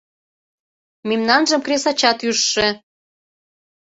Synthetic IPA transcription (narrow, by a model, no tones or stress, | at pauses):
memnɑnʒəmkresɑt͡ɕɑt̪yʃːĕ